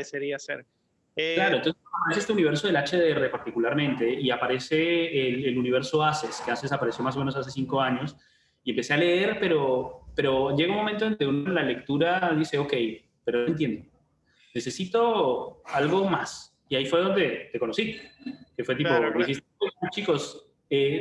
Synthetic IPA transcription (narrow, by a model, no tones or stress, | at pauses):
eseɾiaseɾ | laɾo̞nt̪onseapaɾeseest̪euniβeɾs̬o̞ð̞e̞lat͡ʃeðeere̞paɾt̪ikulaɾmẽ̞nt̪e̞iapaɾe̞se̞ːleluniβ̞e̞ɾso̞aseskeasesapaɾe̞sjo̞masomenos̬as̬e̞siŋko̞aɲo̞s | ie̞mpe̞se̞aleeɾpe̞ɾope̞ɾo̞ʝeɣounmo̞ment̪oend̪eunnlale̞k̚t̪uɾaðise̞oke̞j | peɾoent̪jend̪o | ne̞se̞sit̪o̞alɣo̞mas | iaifwe̞ðo̞nd̪e̞t̪e̞konosikefwe̞t̪ipod̪ixist̪et͡ʃiko̞s | e